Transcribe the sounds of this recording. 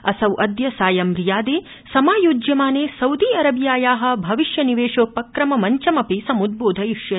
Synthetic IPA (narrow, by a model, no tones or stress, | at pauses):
ɐsɐwʔɐd̪jɐsaːjɐmɾijaːd̪eː | sɐmaːjuːd͡ʒjɐmaːneːsɐwd̪iːɐɾɐbjaːjaːɦɐ̆bʱɐʋiʃjɐniʋeːʂoːpɐkɾɐmɐmɐɲt͡ʃɐmɐpisɐmud̪̚boːd̪ʱɐjiʂjɐ